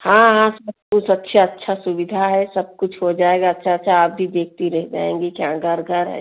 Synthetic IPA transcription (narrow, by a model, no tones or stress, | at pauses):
hãɦãsɐb̚kʊt͡ʃʰɐtːʃʰaɐtːʃʰasʊbɪd̪ʱaɦɛsɐb̚kʊt͡ʃʰɦod͡ʒaːeːɡaɐtːʃʰaɐtːʃʰaːp̚bʱid̪eːk̚ʰt̪iɾɛɦd͡ʒa̰ːḛ̃ːŋɡekjãɡʱɐɾɡʱɐɾɦɛ̰ː